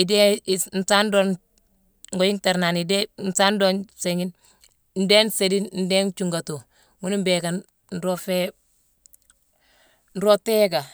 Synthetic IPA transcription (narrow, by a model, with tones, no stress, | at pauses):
i˨de˦n̩˨sa˦ndo˦ | ŋɡo˨ji˦ŋta˨ɾna˨ni˨de˦n̩˨sa˦ndo˦nse˨ŋi˦n | n̩˨de˦nse˨di˦nn̩˦deː˦nt͡ʃu˨ŋɡa˨to˨ | ŋu˦ni˦mbe˨ka˨n | n̩ɾo˦fe˦ | n̩ɾo˦teː˦ɡa˨